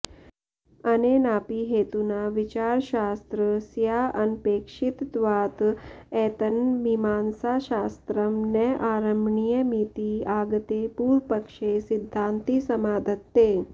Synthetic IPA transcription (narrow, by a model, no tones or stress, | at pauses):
ənenaːpiɦeːt̪unaʋit͡ɕaːɾɕaːst̪ɾəsjaʔɐnpeːkʂit̪d̪ʋaːt̪ɛːt̪ənmimaːnsaɕaːst̪ɾəmnəʔaːɾəmbɳijəmit̪iːaːɡt̪epuːɾpəkʂesid̪ʱːant̪iːsɐmaːd̪ʱət̪ːe